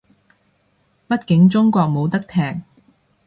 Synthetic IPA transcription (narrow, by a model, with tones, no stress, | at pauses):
pɐ˥t̚kɪ˨˧˥ŋt͡sʊ˥ŋkʷɔː˧k̚mo˨˧wt̪ɐ˥k̚t̪ʰɛː˨˩ŋ̚